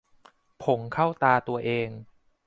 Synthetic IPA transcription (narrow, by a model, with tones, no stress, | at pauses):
pʰo˩˦mkʰa˥˩wt̪aː˧t̪u˧ɐʔeː˧ŋ